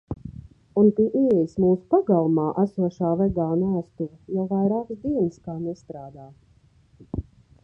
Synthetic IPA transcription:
unp̪iʔiɛjismuːsu̥paɡalˠumaːʔæsuɔʃaːvɛɡaːnaːst̪uvajɔwvajɾaːksd̪iɛnskaːnɛst̪ɾaːd̪aː

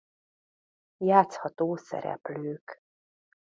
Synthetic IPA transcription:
jaːt̪shɒt̪oːsɛ̰ɾɛ̰pløːk

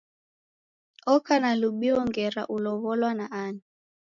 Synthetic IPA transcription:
ɔkʰanaluɓiɔŋɡɛɾa̰ʔulɔβɔlwanaʔaːni

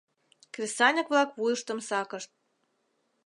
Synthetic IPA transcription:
krʲisɑnʲəkβlɑkβujəʃt̪ə̆msɑkəʃt̪̚

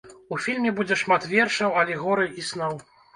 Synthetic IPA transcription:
ufʲilʲmʲɛbud͡zʲɛʂmat̪vʲɛrʂɐwɐlʲɛɣɔɾɨjisnɔw

